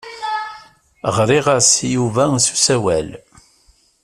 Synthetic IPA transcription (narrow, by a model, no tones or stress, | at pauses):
ʁɾˤiʁasjuvæsu̥sæwæl